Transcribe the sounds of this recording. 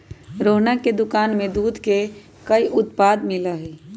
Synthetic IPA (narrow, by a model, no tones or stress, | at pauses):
ɾoːɦnaked̪ʊkaːnmẽd̪uːd̪ʱke | kəiʔʊt̪paːd̪mɪlaɦɛ